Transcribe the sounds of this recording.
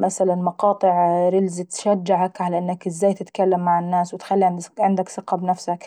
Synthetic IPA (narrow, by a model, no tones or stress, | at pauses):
mʔasalanmɑqɑːt̪ˤɨʕɾɪlzɪt̪ʃad͡ʒːaʕakʕalaʔɪnːakɪzːaːjt̪ɪt̪kalːamːaʕɪnːaːswɪt̪xalːiʕɪnd̪ʕɪnd̪aksɨqɑbnafsak